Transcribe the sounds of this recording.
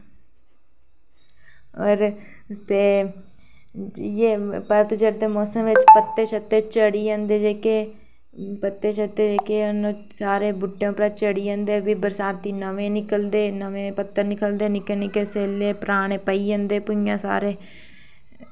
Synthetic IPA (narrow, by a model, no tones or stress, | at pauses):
ɔːɾ | st̪eː | jeːpəɾt̪d͡ʒəɾd̪eːmɔːsəmʋɪt͡ʃpət̪ːeːʃət̪ːeːt͡ʃəɽiːə̃nd̪eːd͡ʒeːke | pət̪ːeːʃət̪ːeːd͡ʒeːkenõː | saːɾeːbʊʈːejõːpɾaːt͡ʃəɽiːə̃ːnd̪eːbiːbəɾsaːt̪d̪iːnəʋẽːnɪkəld̪eːnəʋẽːpət̪ːəɾnɪkəld̪eːnɪkːnɪkeseːleːpəɾaːɳ̃eːpəiːə̃nd̪eːpʊijãːsa̰ːɾeː